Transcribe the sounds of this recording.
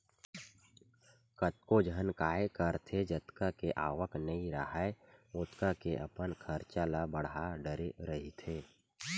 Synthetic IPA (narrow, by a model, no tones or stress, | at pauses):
kət̪kod͡ʒʱənkaːjekəɾt̪ʰed͡ʒət̪kakeʔaːʋəknəĩɾəɦaeʊt̪kakeʔɐpənkʰəɾt͡ʃalabəɽaɖəɾeɾəɦit̪ʰeː